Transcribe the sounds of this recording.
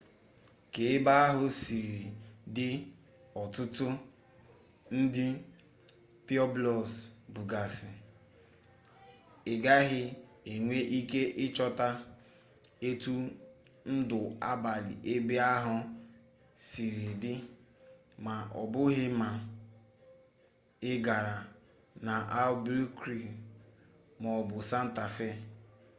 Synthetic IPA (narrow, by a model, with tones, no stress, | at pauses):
ke˨ɪ˦ba˦a˦ɦʊ˦si˨ɾi˨dɪ˦ | ɔ˨tʊ˦tʊ˦ | n̩˦dɪ˦ | pi˦ɔ˦blɔ˨s | bu˨ɡa˨sɪ˨ | ɪ˨ɡa˦ɦɪ˦ | e˨ŋʷe˦ʔi˦ke˦ʔɪ˦t͡ʃɔ˦ta˦ | e˦tu˦ | n̩˦dʊ˨a̰˦ba˨lɪ̰˨ʔe˦be˦a˦ɦʊ˦ | si˨ɾi˨dɪ˦ | ma˨ʔɔ̰˨bʊ˦ɦɪ˦ma˨ | ɪ˦ɡa˨ɾa˨ | na˨ʔa˦lbu˦kɾi˨ | mɔ˨bʊ˨sa˦n̩˦ta˨fe˦